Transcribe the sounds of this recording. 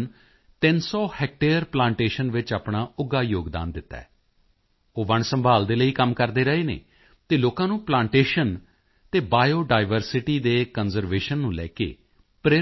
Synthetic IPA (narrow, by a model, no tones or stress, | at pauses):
n | t̪ɪnsɔːhɛk̚ʈeːəɾplãːɳʈeːʃənʋɪt͡ʃapɳaːʊɡaːjoːɡd̪a̰ːnd̪ɪt̪ːa̰ɛː | oːʋəɳsəmbʱaːld̪eːləiːkəmkəɾd̪eːɾəɦeːnḛː | t̪eːloːkãːnũːplãːɳʈeːʃən | t̪eːbaːjoːɖaːɪʋəɾsɪʈiːd̪eːkənzəɾʋeːʃənːũːlɛ̰ːkḛː | pɾeː